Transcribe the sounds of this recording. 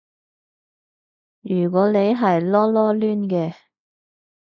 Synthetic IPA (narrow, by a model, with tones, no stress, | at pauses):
jyː˨˩k̬ɔː˨˥ne˨˧jɦɐ˨jlɔː˥lɔː˥lyː˥nkɛː˧